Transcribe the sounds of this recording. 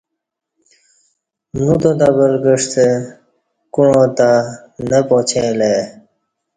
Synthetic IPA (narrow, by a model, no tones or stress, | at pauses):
nut̪od̪abəɾɡəʂt̪e | kuɳõːt̪a | nəpoːt͡ɕʰẽːle